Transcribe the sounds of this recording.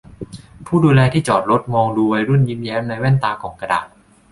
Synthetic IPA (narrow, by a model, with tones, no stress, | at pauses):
pʰuː˥˩duː˧lɛː˧t̪ʰiː˥˩t͡ɕɔː˨˩t̪̚ɾo˦˥t̪̚mɔː˧ŋduː˧wa˧jɾu˥˩nji˦˥mjɛː˦˥mna˧jwɛː˥˩nt̪aː˧kʰɔː˩˦ŋka˧da̰ː˨˩t̪̚